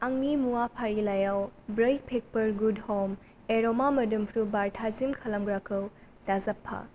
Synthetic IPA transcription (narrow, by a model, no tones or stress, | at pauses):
aŋnimuwapʰaɾilajawbɾɐjpʰek̚pɐɾɡudhɔm | eɾɔmamɐdumpʰɾubaɾtʰazimkʰɐlɐmɡɾakʰɯw | tazɐpʰːa̰